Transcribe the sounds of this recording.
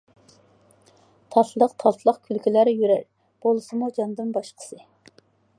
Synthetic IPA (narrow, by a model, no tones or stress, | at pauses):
t̪ʰɑt̪lˠəqt̪ʰɑlˠt̪ʰlˠəqkʲʰylkʲʰilæɾjyɾæɾ | b̥olˠɨsɨmud͡ʒɑnd̪ɨnbɑʃqʰə̥sɨ